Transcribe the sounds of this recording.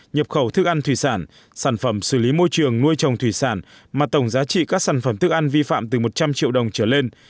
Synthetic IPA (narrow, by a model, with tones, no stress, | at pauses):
ɲə˨˩p̚xə˧˩wt̪ʰɨ˦˥k̚ʔa˧nt̪ʰwi˧˩saː˧˩n | saː˧˩nfə˧˩msɨ˧˩li˨˦mo˧jt͡ɕɨ˨˩əŋnu˧əjt͡ɕə˨˩wŋ͡mt̪ʰwi˧˩saː˧˩n | maː˨˩t̪ə˧˩wŋ͡mzaː˨˦t͡ɕḭ˧˨kaː˦˥k̚saː˧˩nfə˧˩mt̪ʰɨ˦˥k̚ʔa˧nvi˧fa̰ː˧˨mt̪ɨ˨˩mo˨˩t̚t͡ɕa˧mt͡ɕḭ˧əwɗə˨˩wŋ͡mt͡ɕəː˧˩le˧n